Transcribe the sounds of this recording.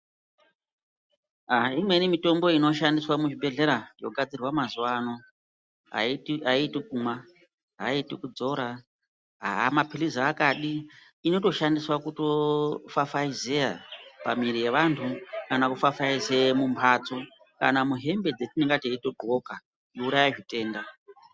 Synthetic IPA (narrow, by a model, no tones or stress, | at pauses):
aimwe̞nimito̞mbo̞ino̞ʃandiswamut͡ʃibe̞ɮe̞ɾajo̞̰ɡʱad͡zirwamazuwano̞ | ɦa̰aitikuma | ɦa̰itikud͡zo̞ɾa | ɦa̰ɦa̰mapilizaːkaɗiː | no̞to̞ʃandiswakuto̞fafaizeja̰pamiɾije̞ʋantʰukanakufafaizemumpʰaːt͡so | ka̰namuɦe̞mbe̞d͡zetineŋɡateito̞dʱo̞ka | jouɾajaʐite̞ːnda